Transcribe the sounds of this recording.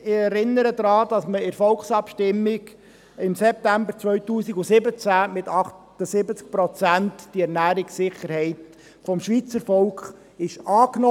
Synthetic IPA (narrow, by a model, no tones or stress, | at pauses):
ɪɛɾɪnːəɾəd̪ɾɑːd̥ɑsməɪɾfɔlksɑpʃtɪmːɪɡ | ɪmsɛp̚t̪æmbəɾt͡sʋœʏtuːsiɡusɪbət͡sæmɪtɑχttəsɪbət͡sk̚pɾɔt͡sæntd̥iɛɾnæːɾɪksɪχəɾhɛɪt | fɔmʃʋiːt͡səɾfɔlkχ | ɪʃɑːknɔ